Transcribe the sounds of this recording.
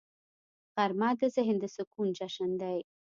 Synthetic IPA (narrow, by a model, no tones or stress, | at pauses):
ɣaɾmɑːd̪əzɪɦɪnd̪əsʊkund͡ʒaʃənd̪aj